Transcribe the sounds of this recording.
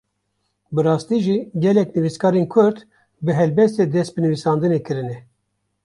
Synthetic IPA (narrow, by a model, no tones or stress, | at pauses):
bɨɾɑːst̪iːʒiɡɛlɛknɨviskʰɑːɾenkʰʊɾd̪ | bɨɦɛlbɛst̪eːd̪ɛst̪̚bɨnɨvisɑːnd̪ɨnekɨɾɨnɛ